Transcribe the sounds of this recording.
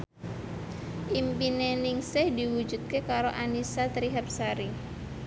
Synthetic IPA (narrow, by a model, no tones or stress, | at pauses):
ʔimpinenɪŋsɪhdiwu̥d͡ʒut̪̚kekaɾoʔanisat̪ɾiɦəp̚saɾi